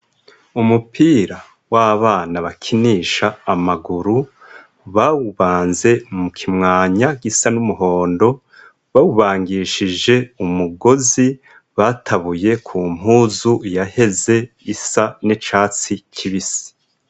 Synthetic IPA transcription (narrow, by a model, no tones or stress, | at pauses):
umupʰiːɾa | waβaːnaβakʰiniːʃaːmaɡuɾu | βawuβaːnze̞mukʰimŋaːɲaɡisanumuɦo̞ːndo̞ | βawuβaːŋɡiʃiʒd͡ʒe̞umuɡo̞zi | βatʰaβuje̞kʰum̥uːzujahe̞ze̞ | isanit͡ʃaːt͡sicʰiβisi̥